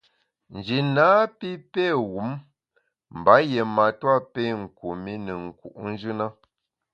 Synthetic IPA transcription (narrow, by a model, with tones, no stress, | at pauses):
n̩˨d͡ʒi˨naː˨˦pi˦pe˦˨wu˨˦m | m̩˨ba˨˦je˨ma˨twa˦pe˦˨ŋ̩˨ku˨mi˦nə˨ŋ̩˨kṵ˨ʔn̩˦d͡ʒɨ˦na˦